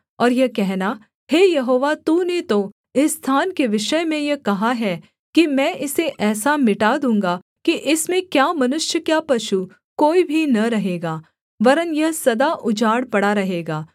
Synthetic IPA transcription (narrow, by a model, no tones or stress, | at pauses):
ɔːɾjɐkɛɦna | heːjɐɦoːʋat̪uːnet̪o | ɪsːt̪ʰaːnkeʋɪʃəjmẽjɐkɐɦaɦɛː | kimɛ̃ʔɪseʔɛːsamɪʈad̪ũːŋɡa | kiʔɪsmẽkjaːmɐnʊʃjəkjapɐʃu | koːibʱinɐɾɐɦeːɡaː | ʋɐɾənjɐɦsɐd̪aʔʊd͡ʒaːɽpɐɽaɾɐɦeːɡaː